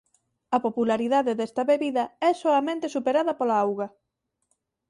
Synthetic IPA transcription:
ɐpopulaɾiðaðeðɛst̪ɐβeβiðɐɛsoɐmẽnt̪esupeɾaðɐpolaawɣɐ

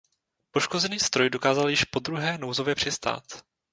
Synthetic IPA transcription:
po̞ʃko̞zɛniːst̪ɾo̞jdo̞kaːzaljɪʃpo̞d̪ɾuɦɛːnowzo̞vjɛpr̝̥ɪst̪a̰ːt̪

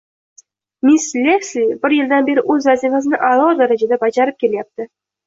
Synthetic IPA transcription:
mislekslibɪɾjɪld̪anbe̞ɾɪʔɵzvazifasɪnɪʔalˠɒɾd̪aɾad͡ʒad̪abad͡ʒaɾɪp̚kʲʰe̞lajap̚t̪ɪ

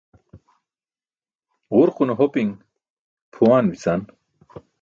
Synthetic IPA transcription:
ʁuɾqunoɦopiŋ | pʰuwaːnbisan

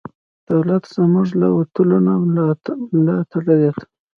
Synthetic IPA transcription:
d̪̥awlat̪z̥əmuʐlawaʈ̪əlona | lɑt̪ʰaɽawet̪

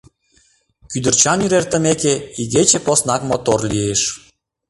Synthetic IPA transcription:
kyd̪ərt͡ɕɑnyɾert̪ə̆mekeiɣet͡ɕeposnɑkmot̪orlieʃ

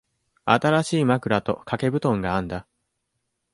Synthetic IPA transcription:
at̪aɾaɕiːmakɯ̟ɾat̪o̞̰kʰake̞bɯ̟t̪õ̞ŋɡaãnd̪a

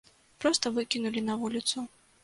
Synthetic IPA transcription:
pɾɔst̪ɐvɨkʲinulʲinɐvulʲit̪su

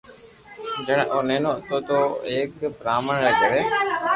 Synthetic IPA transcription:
d͡ʒəɳʔoneːnõːt̪oːt̪oːeːkpɾaːməɳɾəɡəɽeː

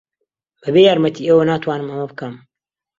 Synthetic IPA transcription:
b̥ɐbejaːɾmɐt̪ʰiːeːwɐnaːt̪waːnɨmɐmɐbkɐm

